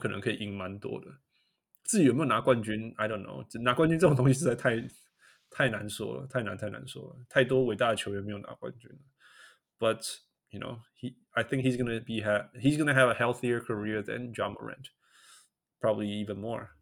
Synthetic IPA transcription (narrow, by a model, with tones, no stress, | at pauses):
kʰə˨nə̰˧˦ŋkʰə˧i˨ʔi˧˥ŋma˦nt̪wɔ̰˦d̪ə | t͡sɹ̩˥˩t͡ɕi˨o˨me˥jo˩na˧˦˥kwã˥˧nt͡ɕy˦na˨ɪɾõ˥ʊ̃nːo̰˦ʊna˧˥kwã˥nt͡ʃy˦nt͡sə˥˩ə̃˨ŋt̪ʰʊ̃˧ŋsi˧t͡ʃa˥˩ɪtʰa˥ɪ | t̪ʰa˥˩ɪnã˧˦nswɔ̰˥lə̰t̪ʰa˥˩ɪnã̰˧˦nt̪ʰa˥ɪnã̰˧˦nsɔ̰˥˦ət̪ʰa˥˩ɪt̪̬wɔ˥˦we˨˩ɪt̪a˥˧ɾət͡ɕʰjo˧˦ʊjo˨˩me˦˥jo˨ʊna̰˧˦kwã̰˧nt͡ʃỹ̰˦nə | b̥ʌt | juno̰ʊhi | aɪθɪ̃ŋkhizɡʌnəbiɦæhizɡʌ˦nəɦævəhɛlˠθiə˞kʰəɹiɹðɛ̰̃nd͡ʒɑmə̰ɹɛ̰̃nt | pʰɹ̥ɑ˥bəblii˦və̃nmɔ̰ɹ